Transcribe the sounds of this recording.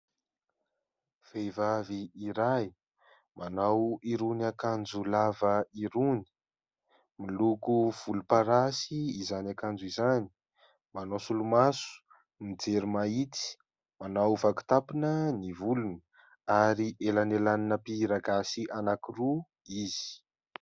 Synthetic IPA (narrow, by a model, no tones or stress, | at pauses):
v̥evaviːɾaj | manawiɾunakand͡ʒulavəiɾuni̥ | milukuv̥ulupaɾasiːzanakand͡ʒuizani̥ | manosulumasu̥ | nid͡zeɾumait͡si̥ | manawvaku̥t̪apinənivulun | aɾiʔelanelaninəpiɾaɡasiʔanakiru | iz̥i̥